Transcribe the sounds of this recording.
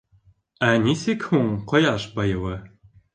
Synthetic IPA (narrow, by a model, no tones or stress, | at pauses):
ænisɘkhuɴqɤ̆jɑʃbɑjɤ̆wɤ